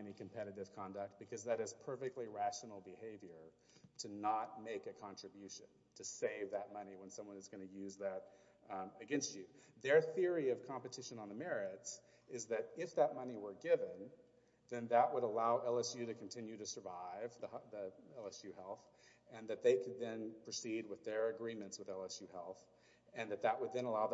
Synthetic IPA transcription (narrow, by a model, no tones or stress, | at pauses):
ɛnikʰɨ̃m̩pʰɛɾɨɾɨv̥kʰɑ̃ndək̚t̚b̥ɨkʰʌzðɨɾɨz̥pʰɜ˞fɨk̚tˡliɹæʃnl̩ˠbɨheɪvjə˞ | ɾɨnət̚meɪkɨkʰɑ̃nt͡ʃɹ̥ɨbjʉʃɨ̃n | tʰɨseɪvðɨt̚mʌniwə̃nsʌ̃mwʌ̃nɨzɡʌnɨjʉzðɨɾ | ɨɡɛ̃nst͡ʃʉðə˞θɪɹiʌv̥kʰɑ̃mpɨtʰɪʃɨ̃nə̃nðəmɛɹɪts | ɪzðɨɾɪfðət̚mʌniwə˞ɡɪvɨ̃n | ðɨ̃nðəʔ̚wəɾəlaʊʔɛlˠɛsjʉɾɨkʰn̩tʰɪ̃njʉɾɨsə˞vaɪvðiðiɛlˠɛsjʉhɛlˠθ | ɨ̃nðɨt̪̚ðeɪkʰɨd̪̚ðɨ̃npʰɹ̥ɨsid̚wəðə˞ɨɡɹĩmɨ̃ntswəðɛlˠɛsjʉhɛlˠθ | ɨ̃nðɨt̪̚ðəʔ̚wəd̪̚ðɨ̃nəlaʊð